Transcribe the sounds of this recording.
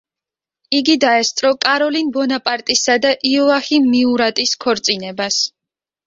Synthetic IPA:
iɡid̪aɛst̪sʼɾɔkʼaɾɔlinbɔnapʼaɾt̪ʼisad̪aʔiɔaximiuɾat̪ʼiskʰɔɾt̪sʼinɛbas

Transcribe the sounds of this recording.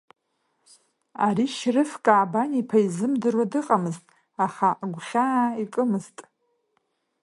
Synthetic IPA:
aɾiʃrɨfkʼaːbanipʰaizɨmdɨrwadɨqʼamɨztʼ | aχaɡʷχʲaikʼɨmɨztʼ

